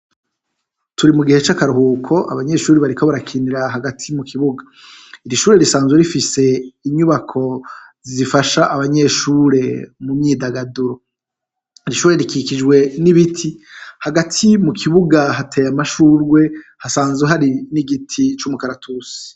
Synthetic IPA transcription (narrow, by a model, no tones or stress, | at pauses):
tuɾimuɡihe̞t͡ʃakaɾuhuːkʰo̞ʔa̰βaɲe̞ʃuːɾeβaɾikʰoβaɾakʰiniɾaɦaɡatʰimukʰiβuɡa | iɾiʃuːɾe̞ɾisaːnzweɾifise̞iɲuβakʰo̞zizifaʃaʔaβaɲe̞ʃuːɾe̞mumɲiːdaɡaduɾo | iɾiʃuːɾe̞ɾikikid͡ʒɡwe̞niβitʰihaɡatʰimukʰiβuɡaɦatʰeːjamaʃuːɾɡwe̞hasaːnzweɦaɾiniɡitʰit͡ʃumukaɾatʰusi̥